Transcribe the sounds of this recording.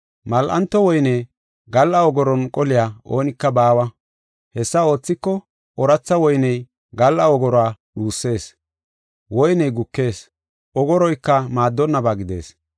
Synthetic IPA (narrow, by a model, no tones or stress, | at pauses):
mɐlʔɐ̰nt̪ːɔwɔjne | ɡɐlːɐɔɡɔɾɔnkʼɔlɪjaːʔo̞ːnɪkːɐbaːwɐ | hɛsːɐo̞ːt͡sːɪkːɔ | ʔɔɾɐt͡sːɐwɔjnɛj | ɡɐlːɐɔɡɔɾɔaːɗuːsːe̞ːs | wɔjnɛjɡʊkːe̞ːs | ʔɔɡɔɾɔjkːɐmaːd̪ːɔnːɐbaɡɪd̪e̞̰ːs